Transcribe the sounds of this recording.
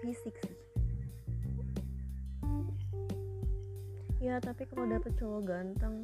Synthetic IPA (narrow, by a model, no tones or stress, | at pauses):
isɪks | jat̪apikaloadapət͡ʃɔwɔɡant̪əŋ